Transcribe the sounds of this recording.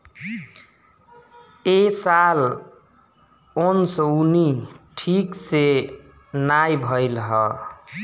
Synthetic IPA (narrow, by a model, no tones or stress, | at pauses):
esal | onsəuniʈʰikse | najbʱʌjlɦʌ